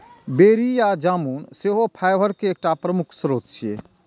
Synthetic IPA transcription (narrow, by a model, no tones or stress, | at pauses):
beɾijad͡ʒamunseɦopʰajbʱəɾkeːk̚ʈapɾəmukʰsɾot̪̚t͡ʃʰie